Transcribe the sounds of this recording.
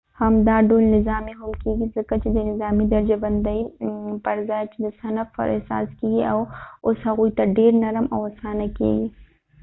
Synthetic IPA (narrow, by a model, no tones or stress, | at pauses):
hɐmd̪aːɖoːlnɪzaːmiɦʊmkiːɡizɪkɐt͡ʃid̪ɐnɪzaːmid̪ɐɾd͡ʒɐbɐnd̪ɐipɐɾzaːt͡ʃd̪ɐsɐnɐfɐ̰ɾʔɛ̰ɦsa̰ːskiːɡiɐːwʊshɐɣuːit̪ɐɖeːɾnɐɾəmɐːɐsaːnakḭɡi